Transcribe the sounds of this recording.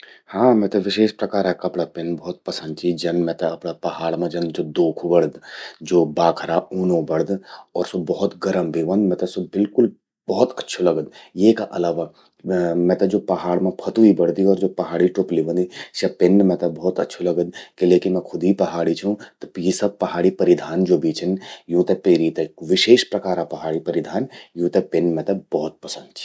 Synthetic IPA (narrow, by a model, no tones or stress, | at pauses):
hãːmɛ̃ːt̪ɐʋɪʃeːʃpɾɐkaːɾɛkɐpɽapɪnbɔːt̪̚pɐsə̃nd̪̚t͡ʃʰid͡ʒɐnmɛ̃ːt̪ɐɐpɽapɐɦaːɽmãd͡ʒɐ̃nd̪d͡ʒoːd̪oːkʰubɐɽd̪d͡ʒoːbaːkʰɾauːnõbɐɽd̪ɔːɾsobɔɦʊt̪ɡɐɾəmbʱiʋə̃nd̪mɛ̃ːt̪ɐsobɪlkʊl | bɔɦɔt̪ɐtːʃʰolɐɡəd̪jeːkaʔɐlaːʋa | mɛ̃ːt̪ɐd͡ʒoːpɐɦaːɽmẽpʰɐt̪uibɐɽ̤d̪iɔːɾd͡ʒoːpɐɦaːɽiʈoːpliʋə̃nd̪iʃɐpɪnːmɛ̃ːt̪ɐbɔɦːt̪ɐtːʃʰolɐɡəd̪keleːkɪmɛ̃kʰʊd̪ʱipɐɦaːɽit͡ʃʰũt̪ɐjisɐb̚pɐɦaːɽipɐɾɪd̪ʱaːnd͡ʒoːbiːt͡ʃʰənjũːt̪ɛpeːɾit̪ekʋɪʃeːʃpɾɐkaːɾapɐɦaːɽipɐɾɪd̪ʱaːnjũːt̪epɪnːmɛ̃ːt̪ɐbɔɦɔt̪̚pɐsə̃nd̪̚t͡ʃʰi̥